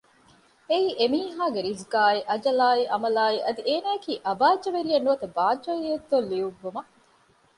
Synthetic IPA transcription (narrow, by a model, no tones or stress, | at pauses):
eiːʔemiːɦaːɡeɾizɡaːiʔɐd͡ʒɐlaːiʔɐmɐlaːiʔɐd̪iʔeːnaːekiːʔɐbaːd͡ʒɐʋeɾijɐnːuʋɐt̪ɐbaːd͡ʒɐied̪ːolːiuɡːumɐ